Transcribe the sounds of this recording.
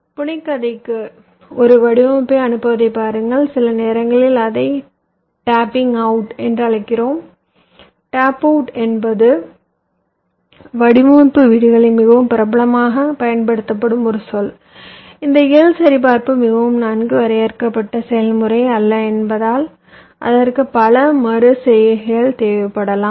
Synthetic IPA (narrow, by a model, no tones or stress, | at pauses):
pʊɳɪkːɐðɐɪkːɯ | ɔɾɯʋɐɽɪʋɐpːeɐnɯpːɐʋɐðɐɪpːaːɾɯŋɡɐɭsɪlɐneːɾɐŋɡɐɭɪlɐðɐɪ | ʈaːpːɪŋɡɐʊʈɛndrɯɐɭɐɪkːɪroːm | ʈaːpɐʊʈɛnbɐðɯ | ʋɐɽɪmuːpːɯʋiːɽɯɣɐɭɪmɪɣɐʋɯmpɪɾɐbɐlɐmaːɣɐpɐjɐnpɐɽɯt̪ːɐpːɐɽɯmɔɾɯsɔl | ɪnd̪ɐɪjɐlsɐɾɪp̬aːɾpɯmɪɣɐʋɯmnɐnɡɯʋɐɾɐjɐɾkɐpːɐʈːɐsɛjɐlmɯɾɐɪɐlːɐɛnbɐðaːl | ʔɐ̰ðɐrkɯpɐlɐmɐɾɯsɛjɐɐjɐɭt̪eːʋɐpːɐɽɐlaːm